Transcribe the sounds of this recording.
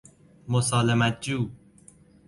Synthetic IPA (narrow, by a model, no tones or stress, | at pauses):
mosɑːlemæt̪̚d͡ʒuː